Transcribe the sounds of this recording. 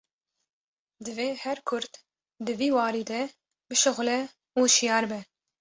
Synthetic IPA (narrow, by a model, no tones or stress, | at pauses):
d̪ɨveːhɛɾkʰʊɾt̪ | d̪ɨviːwɑːɾiːd̪ɛ | bɨʃʊɣlɛ | uːʃijɑːɾbɛ